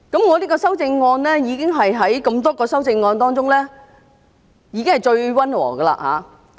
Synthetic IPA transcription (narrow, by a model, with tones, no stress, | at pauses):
kɐ˨˥mŋɔː˨˧t̪iː˥kɔː˧sɐ˥wt͡sɪ˧ŋːɔː˧nlɛː˥jiː˨˧kɪ˥ŋɦɐ˨jɦɐ˨˥jkɐ˧mt̪̬ɔː˥kɔː˧sɐ˥wt͡sɪ˧ŋːɔː˧nt̪ɔː˥ŋt͡sʊ˥ŋlɛː˥ | jiː˨˧kɪ˥ŋhɐ˨jt͡ʃɵ˧ɥwɐ˥nwɔ̰ː˨˩kɐ˧la̰ː˧ha̰ː˨˦